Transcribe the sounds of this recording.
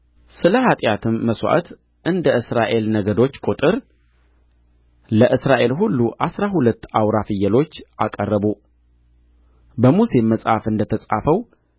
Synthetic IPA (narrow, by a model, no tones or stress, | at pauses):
sɨləhat̪ʼjat̪ʰɨmːəswʔa̰t̪ | ʔɨnd̪əʔɨsɾaʔe̞lnəɡəd̪o̞t͡ʃːkʼut̪ʼɨɾ | ləʔɨsɾaʔe̞lɦulːuʔasɾahulət̪ːawɾafɨjːəlo̞t͡ʃːʔakʼərːəbu | bəmuse̞mːəsʼhafɨnd̪ət̪ʰəsʼafəw